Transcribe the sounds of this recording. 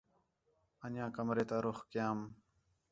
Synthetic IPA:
ənjãːkəmɾeːt̪aːɾʊxkɪjãːm

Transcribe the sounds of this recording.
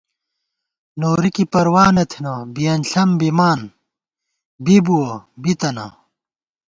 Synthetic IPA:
noːɾikipɐɾwaːnɐt̪ʰinɐbijɐnɬɐmbimaːn | bibuobit̪ɐnɐ̰

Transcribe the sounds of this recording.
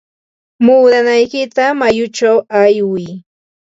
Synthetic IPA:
muːd̪anajkɪt̪amajʊt͡ʃawajwɪj

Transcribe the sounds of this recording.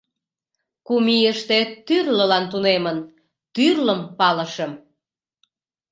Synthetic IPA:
kumijəʃt̪et̪yrləlɑnt̪unemən | t̪yrləmpɑlə̆ʃəm

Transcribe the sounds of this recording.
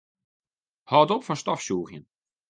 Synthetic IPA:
hɑːdɔpfɔnstɑfsoːχjən

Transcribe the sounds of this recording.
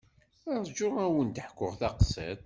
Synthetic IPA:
æɾˤd͡ʒʊʁæwənt̪əħkʷːʊʁθæqsə̰d̪

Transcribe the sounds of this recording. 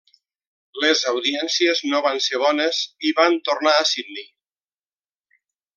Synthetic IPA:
lezawðiɛnsieznoβanseβ̞ɔneziβant̪ornaːsid̪ni

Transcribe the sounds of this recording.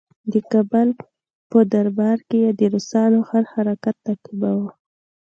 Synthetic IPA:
d̪əkabal | pəd̪aɾbɑɾkejad̪əɾʊsɑnoxaɾhaɾakat̪ːaqibawa

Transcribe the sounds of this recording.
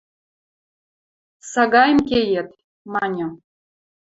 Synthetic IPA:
sɑɡɑjmkʲejet̪ | mɑnʲɤ̆

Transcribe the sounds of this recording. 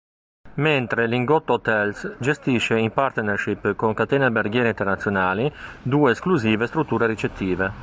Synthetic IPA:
ment̪ɾeliŋɡɔt̪ːoot̪ɛlsd͡ʒest̪iʃeimpaɾt̪nerʃipːkoŋkat̪ɛːneabeɾɡjɛːɾeint̪ernat̪sjonaːlid̪uːeːskluziːvest̪ɾut̪ːuːɾeɾit͡ʃet̪ʰːiːve

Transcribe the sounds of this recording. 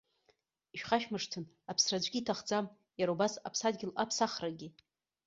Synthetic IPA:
iʃᶣχaʃᶣmɨʂtʰɨn | apʰsrad͡ʒʷɡʲiːtʰaχd͡zam | jaɾaubasa̰pʰsadɡʲɪlapʰsaχraɡʲɪ

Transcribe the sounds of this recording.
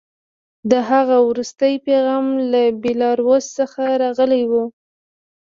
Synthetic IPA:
d̪əɦaɣawɾust̪əjpeɣɑmlabilɑɾwozsəxaɾɑɣəlajwu

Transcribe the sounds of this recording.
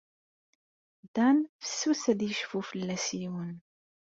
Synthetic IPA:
d̪ænfə̥sːusæd̪jəʃfufəlːæsiwən

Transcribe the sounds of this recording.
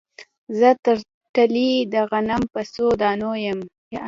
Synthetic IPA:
zət̪əɾ | ʈalid̪əɣanampəsod̪ɑːnojəm | j

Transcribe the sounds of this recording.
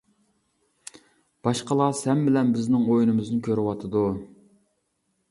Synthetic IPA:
b̥ɑʃqəlˠɑsɛmbɪlɛnbɪznɪŋojnɨmɨznɪkʲʰøɾɪwɑt̪ʰɨd̪u

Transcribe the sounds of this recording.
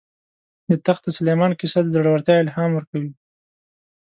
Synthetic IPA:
d̪ət̪axd̪əsʊlejmɑnkɪsad̪əzaɽawəɾt̪jɑɪlɦɑmwəɾkawi

